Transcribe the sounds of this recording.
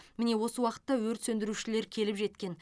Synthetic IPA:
mɪne̞wo̞səwɑqə̥t̪ːɑwɵɾt̪sɵnd̪ɪɾuʃɪle̞ɾkʲʰe̞lɪpʒe̞t̪kʲe̞n

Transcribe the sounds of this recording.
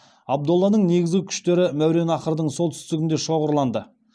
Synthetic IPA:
ɑb̚d̪olˠːɑnəɴne̞ɡʲɪzɡʲɪkʲʰʏ̥ʃt̪e̞ɾɪmæwɾe̞nɑqəɾd̪əɴso̞lˠt̪ʰʏ̥st̪ɪɡʲɪnd̪e̞ʃo̞ʁəɾlˠɑnd̪ə

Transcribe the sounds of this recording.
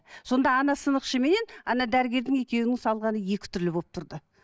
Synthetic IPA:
so̞nd̪ɑːnɑsənəqʃəme̞ne̞nɑnɑd̪æɾɪɡʲe̞ɾd̪ɪŋe̞kʲe̞wɪnɪŋsɑlˠʁɑnəje̞kʲɪ̥t̪ʰʏɾlɪbopt̪ʰʊɾd̪ə

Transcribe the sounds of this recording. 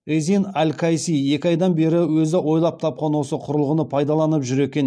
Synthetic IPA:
ezinælkʰɑjsie̞kʲɪɑjd̪ɑnbe̞ɾɪwɵzɪʔwo̞jlˠɑp̚t̪ʰɑp̚qɑnwo̞səqʰʊɾəlˠʁənəpʰɑjd̪ɑlˠɑnəpʒʏɾe̞kʲe̞n

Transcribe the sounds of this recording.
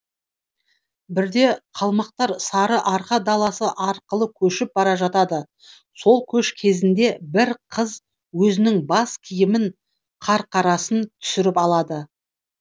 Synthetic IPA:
bɪɾd̪e̞qʰɑlˠmɑq̚t̪ɑɾsɑɾəʔɑɾqɑd̪ɑlˠɑsəʔɑɾqəlˠəkʲʰɵʃɪp̚bɑɾɑʒɑt̪ɑd̪ə | so̞lˠkʲʰɵʃkʲʰe̞zɪnd̪e̞bɪɾqʰəz | wɵzɪnɪŋbɑskʲʰijɪmɪɴ | qʰɑɾqʰɑɾɑsənt̪ʰʏ̥sɪɾɪpɑlˠɑd̪ə

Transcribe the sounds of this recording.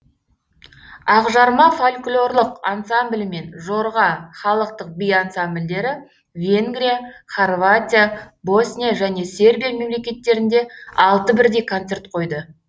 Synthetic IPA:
ɑʁʒɑɾmɑfolʲklʲˠo̞rlˠəqansamblʲme̞nʒo̞ɾʁɑχɑlˠəq̚t̪əq̚bijansambld̪e̞ɾɪ | vʲe̞ŋɡɾʲijaχorvat̪ʲijabo̞snʲijaʒæne̞sʲe̞rbʲijame̞mle̞kʲe̞t̪ːe̞ɾɪnd̪e̞ɑlˠt̪əbɪɾd̪e̞jkʰont̪se̞rt̪qʰo̞jd̪ə

